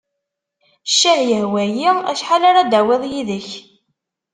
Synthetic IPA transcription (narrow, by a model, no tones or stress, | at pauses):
ʃːæhjəhwæjiæ̰ʃħalaɾad̪æwɪðˤjiðəç